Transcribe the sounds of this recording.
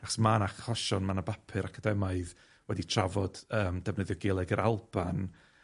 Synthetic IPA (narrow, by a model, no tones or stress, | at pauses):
aχɔ̥smanaχɔʃɔnmanabapʰɨɾakʰadɛmaɨð | wɛditʰravɔd̥əːmdɛvnəðjɔɡelˠɛɡəɾʔalˠb̥an